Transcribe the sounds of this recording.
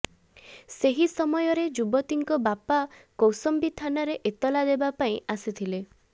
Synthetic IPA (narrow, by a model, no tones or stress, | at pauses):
seɦisɔmɔjɔɾed͡ʒubɔt̪iŋkɔbapakowsɔmbit̪ʰanaɾeʔet̪ɔlad̪ebapaĩʔasit̪ʰile